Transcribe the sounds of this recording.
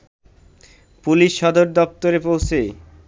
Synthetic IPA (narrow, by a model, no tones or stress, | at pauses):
puliʃːɔd̪oɾd̪ɔp̚t̪oɾepowt͡ɕʰe